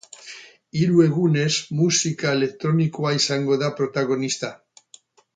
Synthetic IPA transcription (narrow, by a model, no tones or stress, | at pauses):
iɾue̞ɣ̞une̞zmusikaele̞k̚t̪ɾo̞nikoaisaŋɡo̞ðapɾo̞t̪aɣ̞o̞nist̪a